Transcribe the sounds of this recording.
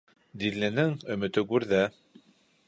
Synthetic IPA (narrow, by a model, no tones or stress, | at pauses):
d̪ilːɘ̆nɘŋɵ̆mɘ̆t̪ɘɡʉɾðæ